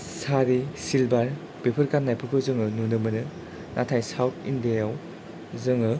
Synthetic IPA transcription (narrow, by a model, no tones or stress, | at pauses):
saɾisilbaɾ | bepʰɯɾkanːajpʰɯɾkʰɯzɯŋɯnunɯmɯnɯ | natʰajsawtʰindajaw | zɯŋɯ